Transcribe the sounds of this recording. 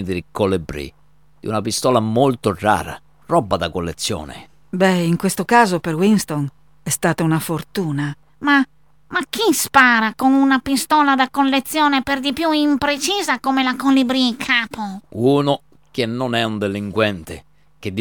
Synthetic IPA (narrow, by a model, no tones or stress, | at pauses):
d̪iɾikolɛbɾḭ | d̪̥iunapist̪ɔlamolt̪orːa̰ːɾa̰ | rɔbːad̪akolːḛt̪sːjɔ̰ːnɪ̰ | bɛiŋkwest̪okaːzopeɾwinst̪on | ɛst̪aːt̪aunafort̪uːna | ma | mak̟ːispaːɾakonunapist̪ɔːlad̪akolːet̪sːjɔːneperd̪ipjuimpɾet͡ʃiːzakomelakolibɾiikʰaːpouːno | k̟enːonɛund̪eliŋkwɛnt̪e | k̟ed̪ː